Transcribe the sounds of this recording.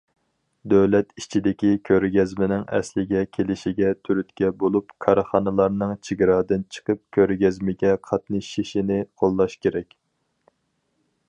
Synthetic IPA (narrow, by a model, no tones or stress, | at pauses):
d̪øwlɛt̪it͡ʃʰid̪ɪkʲikʲʰøɾɡʲɛzmɪnɪŋɛ̰slɪɡʲɛkʲʰelɪʃiɡʲɛt̪ʰyɾyt̪kʲɛbolˠupkʰɑɾχɑnɨlˠɑɾnɨŋt͡ʃʰiɡʲɾɑːd̪ɨnt͡ʃʰə̥qəp̚kʲʰøɾɡʲɛzmɪɡʲɛqʰɑt̪nɨʃiʃinɪqʰolˠːɑʃkʲʰeɾɛkʲ